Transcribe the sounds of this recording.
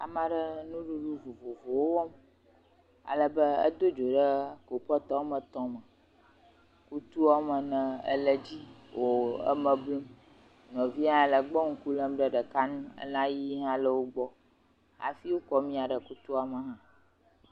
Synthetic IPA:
a̰˨mã˨ɖə˦nũ˦ɖu˦ɖu˦vo˨vo˨vo˨wo˦wɔ˦m | a̰˨lə˦bə˦ə̰˦d̪o˦d͡ʒo˨ɖə˦ko˨pɔ˦t̪ɔ̃˦wmə˨t̪ɔ̃˦mə˨ | ku˦t̪u˦a˦mə˨nə̃˨ə̰˦lə˦d͡ʑi˦wo˨ə̰˦mə̃˨blu˦m | nɔ̃˨vi˦ɦã˦˨lə˨ɡ͡bɔ˦ŋ̩˦ku˦lə˦mɖə˦ɖə˨ka˦nũ˦ə̰˦lã˦ji˦ɦã˦lə˦wo˦ɡ͡bɔ˦ | a̰˨fi˦wo˦kɔ˦mĩ˦a˨ɖə˨ku˦t̪u˦a˨mə˨ɦã˦

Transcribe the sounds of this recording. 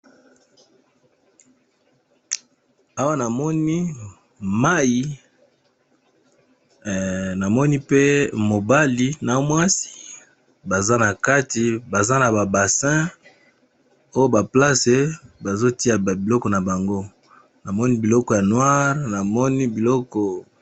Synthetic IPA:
a˦wa˦na˨mɔ˦ni˦ | ma˦ji˨ | na˨mɔ˦ni˦pe˦mo˨ba˦li˨na˨mwa˦si̥˦ | ba˨za˦na˨ka˦ti˨ba˨za˦na˨ba˨ba˨sɛ̃˦ | o˦jo˦ba˨pla˦se˦ba˨zo˦ti˦ja˨bi˨lɔ˦kɔ˨na˨ba˨ŋɡo˦ | na˨mɔ˦ni˦bi˨lɔ˦kɔ˨ja˨nwa˦ʁna˨mɔ˦ni˦bi˨lɔ˦kɔ˨

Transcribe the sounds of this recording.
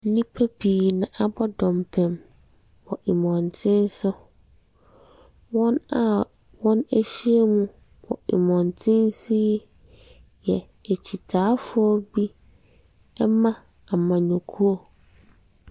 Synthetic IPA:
n̩˦nĩ˦pʰæ˦bʰiː˨nã˨ʔa˨bɔ˦dɔ̃˨mpʰɛ̃˨m | wɔ˨ʔi˨mɔ̃˨ntʰɪ̃˦n̩˦sʊ˦ | wɔ̃˦na˨ | wɔ̃˦næ˦ɕi˦e˦mũ˦ | wɔ̰˨ḭ˨mɔ̃˨ntʰɪ̃˦n̩˦sʊ˦jɛ˦ | jɛ˨ | e˨t͡ɕʰi˨tʰaː˨˦fʊ˦ɔ˦bi˦ | ɛ˦mã˦ | a˨mã˨ɲɔ̃˨kʰu˦ɔ˨

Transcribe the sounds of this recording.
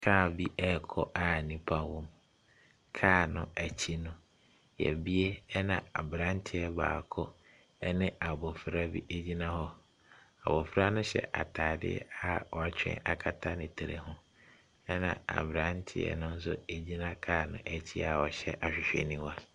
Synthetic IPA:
kʰaː˦˨bi˦ʔɛ˦˨kʰɔ̰˦ʔa˨nĩ˦pʰa˦wɔ˦m | kʰaː˦˨nʊ̃˨æ˨t͡ɕʰi˦nʊ̃˦ | jɛ̰˨bi˦e˦ɛ˦nã˨a˨bɾã˦n̩˦tʰɪ˦ɛ˦ba̰ː˨kʰɔ˦ | ɛ˦nɪ̃˦a˨bɔ˨fɾa˦bḭ˦ʔe˦d͡ʑi˦nã˦hɔ˦ | a˨bɔ˨fɾa˦nʊ̃˦ɕɛ̰˨ʔa̰˨tʰaː˨dɪ̰˦ɛ̰˦a˨ɔ˨a˨t͡ɕʰᶣɛ̰̃˦a˨kʰa˦tʰa˦nɪ̃˨tʰe˨ɾe˨hʊ̃˦ | ɛ˦nã̰˨a̰˨bɾã˦n˦tʰɪ̰˦ɛ̰˨nʊ̃˦n̩˦s̬ʊ˦e˦˨d͡ʑi˦nã˦kʰaː˦˨nʊ̃˦˨ʔæ˨t͡ɕʰi˦a˨wɔ˨ɕɛ˦ʔa˨ɕᶣɪ˨ɕᶣɛ̰˨nĩ˦wa˦

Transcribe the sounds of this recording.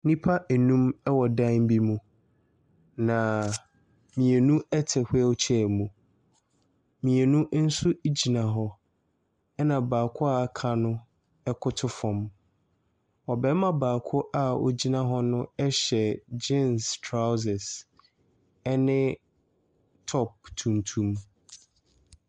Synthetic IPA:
nĩ˦pʰa˦ʔɛ˨nũ˦mɛ˦wɔ˨dã˦m˦bi˦mũ˨ | nã˨ | mĩ˨e˨nũ˦ɛ˦tʰɛ˨hʊ˦ɛ˦ʊ˦t͡ɕʰɛ˦˨mũ˨ | mĩ˨e˨nũ˦n̩˦su˦d͡ʑi˨nã˨ɦɔ˦ | ɛ˦nã˨baː˨kʰʊ˦a˦˨kʰa˨nʊ̃˦ | ɛ˦kʰʊ˦tʰʊ˦fɔ̃˨m | ɔ˨bɛ˨˦mã˦baː˨kʰʊ˦ʔa˦o̰˨d͡ʑi˦nã˦ɦɔ˦nʊ̃˦ɛ˦ɕɛ˨d͡ʑẽ˦nstʰɾa˦wz̬ɛ˨s | ɛ˦nɪ̃˦ | tʰɔ˦p̚tʰũ˨ntʰũ˨m

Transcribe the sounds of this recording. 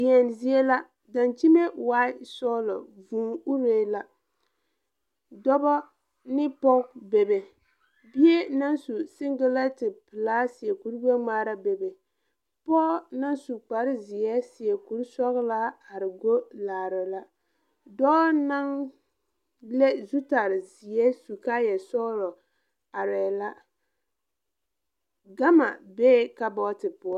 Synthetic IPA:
jɛ˨nzi˦e˦la˦ | da˨nt͡ʃi˦me˦waː˦sɔː˦lɔ˨vuː˨˦u˦ɾeː˦la˦ | dɔ˦bɔ˦ | nɪ˦pɔ˦bɛ˨be˨ | bi˦e˦na˦nsu˨sɪ˦ŋɡa˦la˦tɪ˨pɨ˨laː˦si˨ɛ˨ku˨ɾba˦ŋ͡maː˦ɾa˦bɛ˨be˨ | pɔ˦na˦nsu˨k͡pa˨ɾɪ˦zɪ˨ɛ˦sɪ˨ɛ˨ku˨ɾsɔ˦ɣla˦a˨ɾɪ˨ɡo˦laː˨ɾɪ˨la˦ | dɔː˦na˦ŋ | le˦zu˦ta˨ɾɪ˨zɪ˨ɛ˦su˨ka˦jɛ˨sɔ˦ɣlɔ˨ | a˨ɾɛː˨la˦ | ɡa˦ma̰˨beː˦ka˦bɔ˦tɪ˨pʊ˨ɔ˦

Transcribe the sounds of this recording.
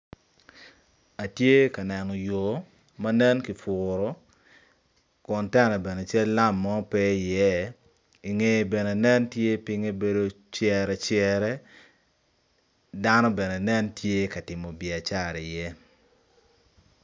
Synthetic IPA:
a˨tje˦ka˨nɛ˨nɔ˨jo˨ | mɐ˦nɛ˦nki˨fʊ˨ɾɔ˦ | kʊ˨ntɛ˦nɛ˨bɛ˨ne˨t͡ʃɛ˦lːa˦mːɔ˦pɛ˦i˨jɛ˦ | i˨ŋe˦bɛ˨ne˨nɛ˦ntje˦pɪ˦ŋe˦be˦do˦ | t͡ʃjɛ˨ɾɛ˨t͡ʃjɛ˨ɾɛ˦ | da˦nɔ˦bɛ˨nɛ˨nɛ˦ntje˦ka˨tɪ˨mo˨bjɛ˨a˨t͡ʃa˦˨ɾi˨jɛ˦

